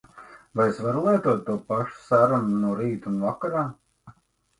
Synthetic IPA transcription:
vajesvaɾulˠiɛt̪uɔt̪ːuɔpaʃu̥saɾununuɔɾiːt̪umvakaɾaː

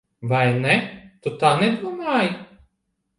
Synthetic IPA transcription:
vajnɛt̪ut̪aːnɛd̪uɔmaːj

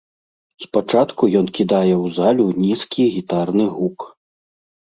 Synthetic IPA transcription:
spat͡ʂat̪kujɔnkʲid̪ajɛwzalʲunʲiskʲiɣʲit̪arnɨɣuk

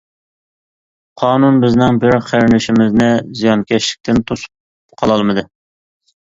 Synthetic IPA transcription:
qʰɑːnunbɪznɪŋbɪɾχæɾnɪʃɪmɪznɪzijɑnkʲʰɛʃlɪ̥k̚ʲt̪ʰɪnt̪ʰosu̥p̚ | qʰɑlˠɑlˠmɨd̪ɨ

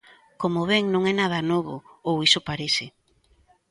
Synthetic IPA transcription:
komoβeŋnõŋɛnað̞ɐnoβʊ̰owisʊpaɾesɪ

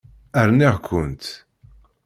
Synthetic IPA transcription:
əɾniʁkʷʊnt̪

